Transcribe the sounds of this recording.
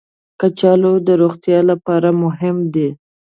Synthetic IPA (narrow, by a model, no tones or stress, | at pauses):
kat͡ʃɑlod̪əɾoxt̪jɑlapɑɾamʊɦɪmd̪e